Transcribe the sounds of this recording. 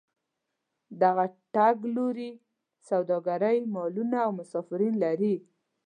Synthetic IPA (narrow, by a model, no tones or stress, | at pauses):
d̪aɣaʈaɡloɾi | sawd̪ɑɡaɾəjmɑlunaːwmʊsɑfɪɾinlaɾi